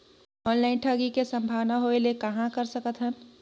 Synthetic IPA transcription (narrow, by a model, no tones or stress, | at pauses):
ɔːnlaːɪnʈʰaːɡikesɐ̃mbʱaːʋnaɦoelekɐɦãkɐɾsəkət̪ɦɛ̃ː